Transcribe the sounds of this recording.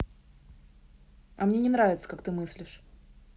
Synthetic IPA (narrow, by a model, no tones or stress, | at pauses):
ɐmnʲenʲɪnɾavʲɪt̪sə̥kak̚t̪ɨmɨsʲlʲɪʂ